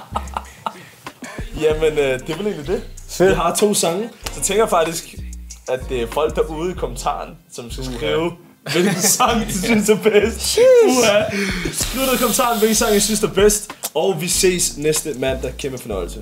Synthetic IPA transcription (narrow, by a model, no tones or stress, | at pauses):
jæmenød̥e̝ʋele̝ːnlid̥e̝̥iɦɑ̈t͡sʰo̝̰ːsɑ̈ŋəsɒ̽t͡sʰeŋɡ̥ɐjɑ̈fɑ̈ɡ̥̚d̥isɡ̥æd̥e̝æfɒ̽l̰ɡ̥̚d̥ɑ̈ʔuːð̩ˠikʰo̽mənt͡sʰɑ̰̈ːnsɒ̽msɡ̥æsɡ̥ʁiːʊ | ʋel̥̩sɑ̈ŋisynsd̥æɐb̥esd̥æsɡ̥luɾ̥əðˠkʰomən̩t͡sʰɑ̰̈ːn̩ʋelɡ̥n̩sɑ̈ŋ̰jɑsynsd̥æɐb̥esd̥ɒʊʋise̝̰ːsnesd̥əmæn̰d̥ɑ̈kʰeməfɒ̽nɒ̽ɪl̩sə